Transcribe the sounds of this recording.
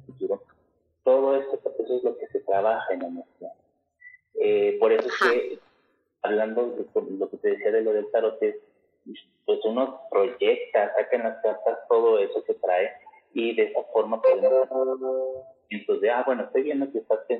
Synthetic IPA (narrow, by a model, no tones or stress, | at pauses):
fut̪uɾo̞ | t̪o̞ð̞o̞e̞sote̞so̞ezlo̞ke̞se̞t̪ɾaβ̞axaenamest̪jan | epo̞ɾe̞so̞e̞ske̞ | aβland̪o̞ðekoloke̞t̪e̞ðesiaðe̞loðelt̪aɾot̪es | pwe̞suno̞pɾo̞ʝe̞k̚t̪asakaenlaskaɾt̪ast̪o̞ð̞o̞e̞so̞se̞t̪ɾae̞ | iðe̞esafo̞ɾmapweðe | ent̪ozðeabwe̞noest̪o̞jβje̞nd̪okeːst̪aspen